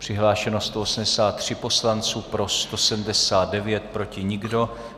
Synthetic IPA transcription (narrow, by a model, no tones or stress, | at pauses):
pr̝̥ɪɦlaːʃɛnost̪oosm̩dɛsaːt̪ːr̝̥ɪpo̞slant͡suːpɾo̞st̪o̞sɛdm̩dɛsaːdɛvjɛt̪pɾo̞cɪɲɪɡdo̞